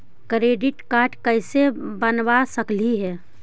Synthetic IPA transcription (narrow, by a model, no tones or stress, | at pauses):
kɾeːɖɪʈkaːɾʈkəɪsebənʋasəkliɦɛː